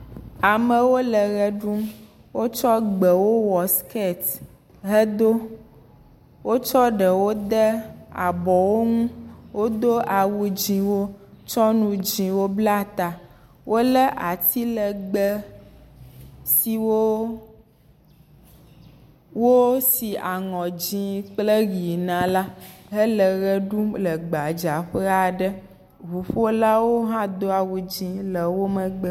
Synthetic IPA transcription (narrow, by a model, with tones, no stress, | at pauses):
a˨mə˨wo˦lə˨ɣə˦ɖu˦m | wo˦t͡ʃɔ˦ɡ͡bə˨wo˦wɔ˨ske˦˨t̪ | ɦə˦d̪o˦ | wo˦t͡ʃɔ˦ɖə˨wo˦d̪ɛ˦a˨bɔ˨wo˦ŋũ˦wo˦d̪o˦ʔa˨wu˨d͡ʒĩ˨wo˦t͡ʃɔ˦nũ˨d͡ʒĩ˨wo˦bla˦t̪a˨ | wʔo˦lə˦ʔa˨t̪i˦lə˨ɡ͡bə˦ | si˨wo˦ | wo˦si˨a˨ŋɔ̃˨ĩ˦k͡plə˦ɣi˨nã˨la˦ɦə˦lə˨ɣə˦ɖu˦lə˨ɡ͡ba˨d͡ʒa˨ɸə˦a˨ɖə˦ | βu˨ɸo˦la˦wo˦ɦã˦d̪o˦a˨wu˨d͡ʒĩ˨lə˨wo˦mə̃˨ɡ͡bə˦